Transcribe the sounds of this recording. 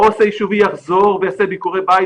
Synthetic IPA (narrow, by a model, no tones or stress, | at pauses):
osajiʃuvijaχzo̞ʁvejasebikoʁebaj